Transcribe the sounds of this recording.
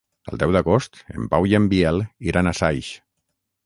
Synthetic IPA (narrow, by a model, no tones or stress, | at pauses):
ə̰lˠd̪ɛwd̪aɣost̪ḛmpawiembiɛlˠiɾanasajʃ